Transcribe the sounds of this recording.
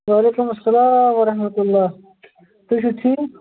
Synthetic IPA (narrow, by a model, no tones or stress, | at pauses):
waːleːkumɐsɐlaːmwɐɾɐhmɐt̪ulːaː | t̪uɕ̬ut̪ʰi